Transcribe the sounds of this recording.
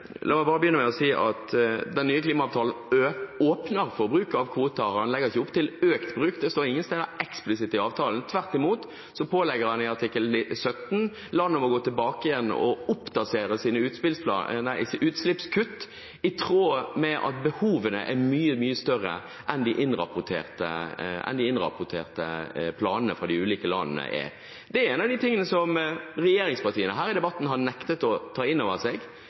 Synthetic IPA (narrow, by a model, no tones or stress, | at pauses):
lʔɑ̰ːmɛnbɑːʁəbəjʏnːəmɛɔsiːʔɑt̪d̪ɛnnyːəkliːmɑɑːʋt̪ʰɑːln̩oːpnəɾfɔʁbɾʉːkəɑʋkʰʋuːt̪əɑnlɛɡːəɪçəʊpt̪ʰɪløːkt̪bɾʉːkd̪ɛst̪oːɪŋːənst̪ɛːd̪əɛksplɪsɪt̪ɪɑːʋt̪ʰɑːlən̩t̪ʰʋæʁt̪ɪmuːt̪ | sɔpʰoːlɛɡəɾhɑnɪɑʁt̪ʰɪkːəlsœt̪n̩ | lɑnəmɔɡoːt̪ʰɪlbɑːkɪjɛnːɔ̰ʊpːd̪ɑseːɾəsiːnəʉːt̪spɪlspʰlɑ̰næɪsʔʉːt̪slɪpskʰʉt̪ː | ɪt̪ʰɾoːmɛʔɑ̰t̪̚bəhuːʋənə̰ʔɛɾmyːəmyːəst̪œɾə̰ | ʔɛnd̪ɪʔɪnɾɑ̰pʊt̪ʰḛːʁt̪ə̰ɛ̰nd̪ɪɪnɾɑ̰pʊʈ̪ʰḛːʁt̪əpʰlɑːnənəfɾɑd̪ɪʉːliːkəlɑ̰nnə̰ʔɛ̰ | d̪ɛæɾɛːnɑʋd̪ɪt̪ʰɪŋːənəsɔmɾɛjeːɾɪŋspɑɾt̪ʰiːənəɦæːɾɪd̪ɛbɑt̪ːn̩hɑnɛkt̪ət̪ɔt̪ʰɑːɪnːoːʋəseːɡ